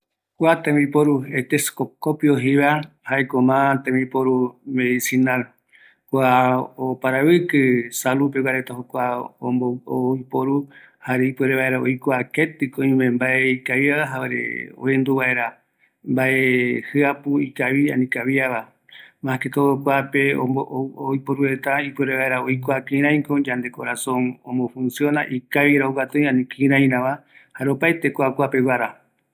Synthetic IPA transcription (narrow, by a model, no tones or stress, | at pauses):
kʷat̪ẽmbipoɾuet̪eskokopioɦiβa | haekomãt̪ẽmipoɾumeðisinal | kʷaopaɾaβɨkɨsalupewaɾet̪aɦokʷaomooipoɾu | haɾeipeɾeβaeɾao̰jkoaket̪ɨkõĩmẽmbaeikajaaɦaaɾḛo̰end̪uβaeɾa | mbaʔehɨapuikaβia̰nĩkaβiaβa | mãket̪ookʷape̞o̰oojpoɾuɾet̪aipueɾeβaeɾaojkoakĩɾãj̃kod͡ʒand̪e̞koɾasõŋõmbofũnsjonaʔikaβiɾauɡat̪õj̃ãnĩkĩɾãj̃ɾãβahaɾeopaet̪ekoakʷape̞waɾa